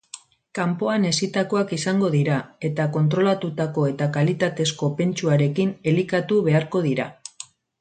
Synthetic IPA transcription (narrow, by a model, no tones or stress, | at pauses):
kampo̞ane̞sit̪ako̞akisaŋɡo̞ðiɾae̞t̪ako̞nt̪ɾo̞lat̪ut̪ako̞e̞t̪akalit̪at̪e̞sko̞pe̞nt͡ʃuaɾe̞kine̞likat̪uβe̞aɾko̞ð̞iɾa